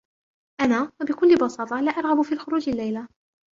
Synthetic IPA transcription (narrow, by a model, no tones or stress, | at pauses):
ʔanaːwabɪkʊlːɪbɑsɑːt̪ˤɑlaːʔɑɾˤɣɑbʊfiːlxʊɾuːd͡ʒalːajla